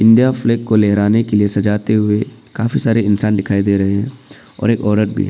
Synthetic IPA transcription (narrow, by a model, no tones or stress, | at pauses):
ɪ̃nd̪ijafleːkːoleɦɾaːnekeliesɐd͡ʒaːt̪eɦʊekaːfisaːɾeɪnsaːnd̪ɪkʰaːid̪eːɾɐɦeɦɛ̃ | ɔ̰ːɾeːkɔːɾəɾbʱḭɦɛː